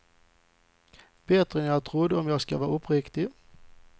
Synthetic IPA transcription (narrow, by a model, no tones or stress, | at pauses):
b̥eːt̪ɾənjːt̪ʰɾʊd̪əɔmjɑːɡskaʋɑːʊpɾɪkt̪ɪ